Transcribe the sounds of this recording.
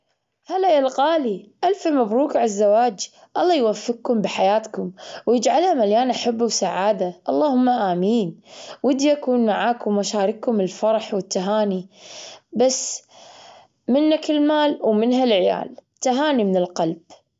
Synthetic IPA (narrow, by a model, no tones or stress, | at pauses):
halajalqaːliʔalfamabɾuːkʕazːawaːd͡ʒ | ʔɑlˤːɑːjwafːɪq̚kʊmbiħajaːt̪kʊmwjɪd͡ʒʕalhamaljaːnʔaħabːuwsaʕaːd̪aʔɑlˤːɑːhʊmːaʔaːmiːnwɪd̪jakuːnmaʕaːkʊmwʔaʃaːɾɪkːʊmɪlfɑɾˤɑħwɪt̪ːaɦaːni | bas | mɪnːakɪlmaːlwmɪnɦalʕɪja̰ːlt̪aɦaːnimɪnɪlqɑlb̥̚